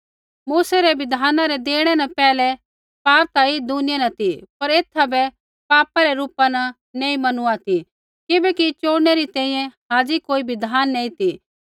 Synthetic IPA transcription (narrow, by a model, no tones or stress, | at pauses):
muːsɛɾɛbɪd̪ʱaːnãɾɛd̪eːɽ̃ɛnɐpɛːlɛ | paːp̚t̪aid̪unɪjenɐt̪ipɐɾeːt̪ʰːabɛ | paːpaɾɛɾuːpanɐ | nẽːĩmɐnuat̪i | kɪbɛkit͡ʃoːɽneɾit̪ɛ̃ːĩjɛ̃ɦaːd͡ʒikoːibʱɪd̪ʱaːnːẽːĩt̪i